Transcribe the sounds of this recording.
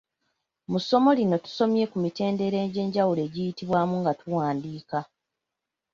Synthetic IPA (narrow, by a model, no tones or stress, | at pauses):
muso̞mo̞lino̞tu̥so̞mje̞kumite̞ːnde̞ɾe̞ːɲɟe̞ːɲɟawule̞ːɟijitiβwaːmuŋɡatuwaːndiːka